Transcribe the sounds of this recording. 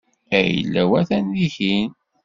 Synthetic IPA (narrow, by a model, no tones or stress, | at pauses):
æjə̰lːæwæθænːiçin